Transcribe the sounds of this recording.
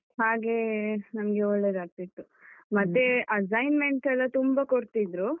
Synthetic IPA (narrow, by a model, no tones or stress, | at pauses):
ɦaːɡe̞nɐmɡe̞oɭːe̞ːd̪aːɡ̚t̪it̪ːu | mɐt̪ːe̞ʔɐsɐjnmeɳʈɛlːɐt̪umbɐkoɽt̪id̪ɾu